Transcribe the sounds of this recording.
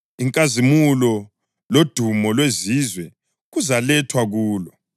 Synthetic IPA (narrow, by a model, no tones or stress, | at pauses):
iŋkʼazimulɔ | lod̥ʱumɔlwezizwɛ | ɣuzalɛtʰwaɣuːlɔ